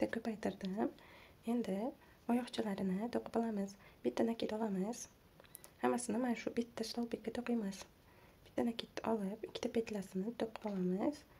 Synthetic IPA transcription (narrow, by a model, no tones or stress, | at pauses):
t̪akʰʲɵpajt̪ʰɪɾd̪ɪm | e̞nd̪ɪ | ɒjɒχt͡ʃʰɪlaɾɪnɪt̪ʰoqʰɨ̥pɒlˠamɪzb̥ɪt̪ʰːanakʰʲet̪ɒlˠamɪz̥ | hamːasɪnɪmanaʃʊbɪt̪ʰːaslˠɒwpekʲːat̪ʰoqɪjmas | b̥ɪ̥t̪ːanakʰʲet̪ʰːʔɒlˠɪpɪkʲʰːɪ̥t̪apʰet̪ʰlasɪnɪt̪ʰoqʰːɨ̥pɒlˠamɪz̥